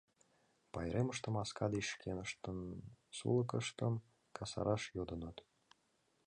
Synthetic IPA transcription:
pɑjɾeməʃt̪ə̆mɑskɑd̪iʃkʰenə̆ʃt̪ənsṵlˠɤ̆kəʃt̪əm | kʰɑsɑ̰ɾɑʃjod̪ə̆nɤt̪

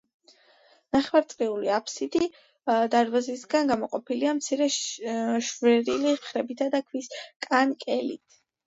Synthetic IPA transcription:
naχwaɾt̪sʼqʼiuliapʰsid̪i | d̪aɾbazisɡanɡamɔqʼɔpʰiliamt̪sʰiɾɛ | ʃvɛɾiliχɾɛbit̪ʰad̪akʰwiskʼankʼɛlḭt̪ʰ

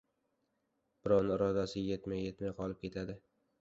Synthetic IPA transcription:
b̥ɪɾɒnɪɾɒd̪asɪje̞t̪majːet̪majqʰɒlˠɪp̚kʰʲe̞t̪ʰad̪ɪ

